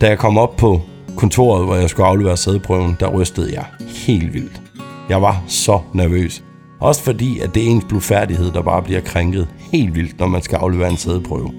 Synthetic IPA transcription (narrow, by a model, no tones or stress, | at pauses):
d̥æjɑ̈ɪkʰɒ̽m̰ɒ̽b̥̚pʰɒ̽ | kʰɔ̽nt͡sʰo̝̰ɐð̞̩ˠʋɒjɑ̈ɪsɡ̥uɑ̈ʊleʋeːɐseð̞ˠpʰʁœʊn̩d̥ɑ̈ʁœsd̥əð̞̩ˠjɑ̈ɪhe̝̰ːld̥ʋil̰d̥ | jɑ̈ɪʋɑ̈sɒ̽næɐʋø̰ːs | ʔɒ̽sə̥fɒ̽d̥ḭːæd̥e̝æe̝ːnsb̥lufæɐd̥ihe̝ð̞̰ˠd̥ɑ̈b̥ɑ̈ːb̥liɐkʰʁeŋɡ̥ð̞̩ˠhe̝̰ːld̥ʋil̰d̥nɒmænsɡ̥æɑ̈ʊleʋeɐe̝nseð̞ˠpʰʁœ̰ːʊ